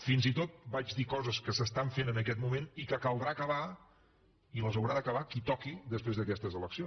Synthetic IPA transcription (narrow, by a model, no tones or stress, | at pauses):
finzit̪ot̪̚bad͡ʒðikɔzəskəsəst̪aɱfenənəkɛt̪mumenikəkəlˠd̪ɾakəβa | iləzəwɾaðəkəβ̞akit̪ɔkid̪əspɾezðəkɛst̪əzələksio